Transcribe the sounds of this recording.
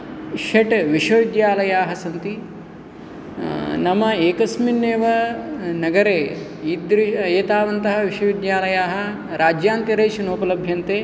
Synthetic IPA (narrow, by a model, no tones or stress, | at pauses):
ʃɐʈʋiʂɐʋid̪jaːlɐjaːɦɐsɐnt̪i | nɐmɐeːkɐsminːeːʋɐnɐɡɐɾeː | iːd̪ɾieːt̪aːʋɐnt̪ɐɦɐ̆ʋiʃɐʋid̪jaːlɐjaːɦɐ̆ | ɾaːd͡ʒjaːnt̪iɾeːʃɐnoːpɐlɐbʱjɐnt̪eː